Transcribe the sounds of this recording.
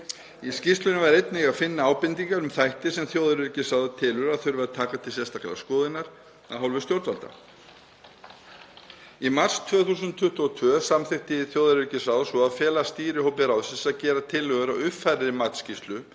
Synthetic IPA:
iscist̪lʏnʏvaɾejt̪nɪɣaðfɪnːaaːwpɪnt̪iŋkaɾʏmθajht̪ɪsɛmθjoːwðaɾvɪɾcɪsaːwðat̪ʰɪːlʏɾaðθʏɾvɛðt̪ʰaːkat̪ʰɪlsjɛst̪ḁklɛ̰la̰skɔːðɪnːaɾ̥ | aðɦawlvʏst̪jowɾt̪valt̪a̰ | imar̥st̪ʰvœːθuːs̬ʏnt̪ʰʏht̪ɔt̪ʰvœːsamθɪht̪ɪθjoːwðaɾɪɾcɪsaːwðasvɔaðfjɛːlast̪iːɾɪhowpɪɾawðsɪsaðcɛːɾat̪ʰɪlːœɣʏɾawʏfajɾðɪmat̪scist̪lʏ

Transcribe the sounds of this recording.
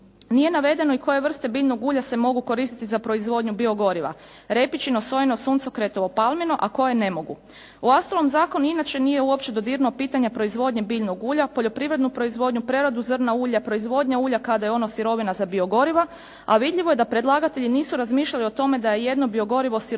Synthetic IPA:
nije̞naʋe̞d̪e̞noiko̞je̞ʋr̩st̪e̞biːʎnoɡuːʎasemo̞ɡuko̞ɾiːst̪it̪izapɾo̞izʋo̞d̪ɲubio̞ɡo̞ɾiʋa̰ | ɾe̞pit͡ʃinoso̞jenosuːnt̪so̞kɾe̞t̪o̞ʋo̞palˠmino̞ʔako̞je̞ne̞mo̞ɡṵ | uast̪olomzaːko̞nuinat͡ʃe̞nije̞uo̞pt͡ɕe̞d̪o̞d̪iɾnopiːt̪aɲapɾo̞izʋo̞d̪ɲe̞biːʎnoɡuːʎapo̞ʎo̞pɾiʋɾe̞d̪nupɾo̞izʋo̞d̪ɲupɾe̞ɾad̪uzər̩nauːʎapɾoizʋo̞d̪ɲauːʎakad̪ajeo̞nosiɾo̞ʋinazabio̞ɡo̞ɾiʋa | a̰ʋid̪ʎiʋo̞je̞d̪apɾed̪lˠaːɡat̪e̞ʎiniːsuɾazmiːʃʎalio̞t̪o̞me̞d̪ajeje̞d̪no̞bio̞ɡo̞ɾiʋo̞siɾ

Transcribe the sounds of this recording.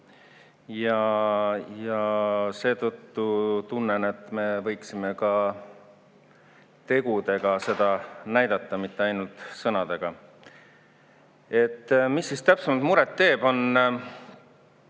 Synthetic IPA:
jɑ | jɑse̞ːt̪ɤt̪ːut̪unːene̞t̪ːme̞vɤ̞jksime̞kɑ | t̪e̞ɡ̥ud̪e̞ɡ̥ɑse̞d̪̥ɑnæjd̪ɑt̪ˑːɑmit̪ːe̞ɑjnult̪sɤnɑd̪e̞ɡ̥ɑ | e̞t̪ːˑmisːist̪æpsemɑlt̪muɾet̪ːe̞ːb̥o̞n

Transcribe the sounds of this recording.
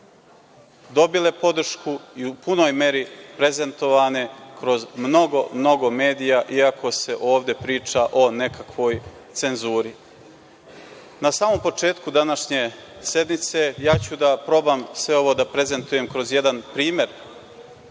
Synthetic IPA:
d̪o̞bile̞po̞d̪r̩ʃkuiupuno̞ːjme̞ɾipɾe̞ze̞nt̪o̞ʋaːne̞kɾo̞zmno̞ɡo̞mno̞ɡo̞me̞ːd̪ijaʔiakʰo̞se̞ʔo̞ːʋd̪e̞pɾiːt͡ʃaʔo̞ne̞kakʋo̞ːj | t̪se̞nzuːɾi | nasaːmo̞mpo̞t͡ʂe̞ːt̪kud̪anaʃɲe̞se̞d̪nit̪se̞jaːt͡ɕud̪apɾo̞bamsʋe̞o̞ʋo̞ːd̪apɾe̞ze̞nt̪uje̞mkɾo̞zjed̪anpɾiːme̞ɾ

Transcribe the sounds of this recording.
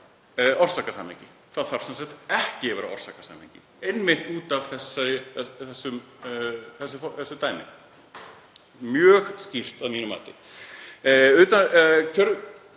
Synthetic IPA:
ʔɔr̥saːkasa̰ːmḛɲcɪ | θaðθaɾ̥sɛnsaht̪ɛhcɪvɛːɾa̰ɔ̰r̥saːkasa̰mḛɲcɪ | ejnmɪht̪uːt̪avθɛsːaɾɪθɛsːʏm | θɛsːʏfɔθɛsːʏt̪aːjmɪ̰ | mjœːxscir̥t̪aðmiːnʏma̰jt̪ɪ | ʏːt̪ancʰœɾ

